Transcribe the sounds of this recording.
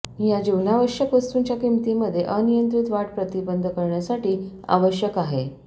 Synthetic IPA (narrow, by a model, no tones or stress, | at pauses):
jad͡ʑiʋnaʋəɕjəkʋəst̪uːɲt͡ɕjakimt̪iməd̪ʱjeʔənijənt̪ɾit̪ʋaʈpɾət̪ibənd̪ʱəkəɾɳjasaʈiːa̰ʋəɕjəkaɦe